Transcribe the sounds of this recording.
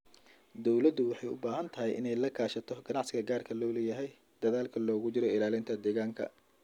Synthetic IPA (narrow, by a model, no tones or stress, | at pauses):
d̪ɔwlɐd̪ʊwɑħɑjʊ̰baːɦɐnt̪ʰɐɦɛjʔɪ̰nɛjlɐkʰaːʃɐt̪ʰɔɡɐnɑʕsɪɣɐɡaːrkʰɐlɔːlɛjɐɦɛj | d̪̥ɐðaːlkʰɐlɔːɣʊt͡ʃɪɾɔɪlaːlɪnt̪ʰɐd̪ɛːɣaːŋkʰɐ̰